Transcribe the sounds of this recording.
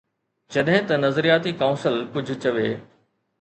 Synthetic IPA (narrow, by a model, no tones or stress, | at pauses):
d͡ʑɐɗɦɪ̃t̪ɐnɐzɾijaːt̪ikaːʊ̃nsəlkʊd͡ʑʱʊt͡ɕɐʋeː